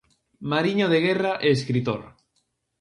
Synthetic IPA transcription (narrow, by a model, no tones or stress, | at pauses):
maɾiɲoð̞eɣ̞eraʔeːskɾit̪o̰ɾ